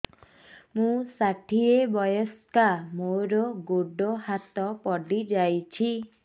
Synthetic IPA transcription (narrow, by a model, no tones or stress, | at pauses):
mũsaʈʰiebɔjɔskamoɾɔɡoɖɔhat̪ɔpɔɖid͡ʒajt͡ʃʰi